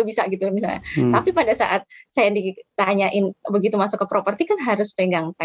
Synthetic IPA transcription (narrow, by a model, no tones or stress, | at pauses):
bisaɡit̪umisa̰t̪apipadasa̰ʔat̪̚sajandit̪aɲaʔɪnbəɡit̪umasokːəpɾopərt̪ikanɦaɾʊspeŋɡaŋt̪a